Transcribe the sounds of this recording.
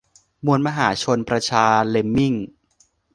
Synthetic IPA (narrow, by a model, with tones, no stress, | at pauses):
mu˧ənma˧ɦaː˩˦t͡ɕʰo˧npɾa˧t͡ɕʰaː˧le˧mːi˥˩ŋ